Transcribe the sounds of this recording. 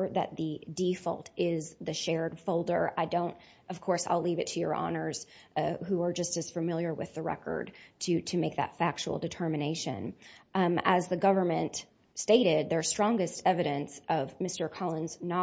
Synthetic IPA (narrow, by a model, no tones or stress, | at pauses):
ðɨ̰t̪̚ðɨdifʌ̰lˠtɪzðɨʃɛɹd̥foʊlˠdə̰˞a̰ɪdõʊ̃nt | ʌv̥kʰɔɹsa̰ɪlivɨtʰɨjə̰˞ʔɑ̰nə˞z̥ɦuə˞d͡ʒʌstɨz̥fɨmɪlˠjə˞wɨ̰ðɨɹɛ̰kə̰˞d̚tʰɨɾɨmeɪk̚ðɨ̰tfæk̚t͡ʃṵl̩ˠdɨtʰɜ˞mɨneɪʃɨ̰̃n | əzðɨɡʌvə˞mɨ̃nt | steɪɾɪd̪̚ðə̥˞stɹ̥ɔ̃ŋɡɨstɛvɨɾɨ̃nsʔʌvmɪstə˞kʰɑlˠə̃nznɑ